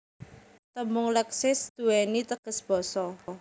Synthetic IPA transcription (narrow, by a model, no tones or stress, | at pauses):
t̪əmʊŋləksɪsd̪̥ṳwɛnit̪əɡ̥ə̤sb̥ɔ̤sɔ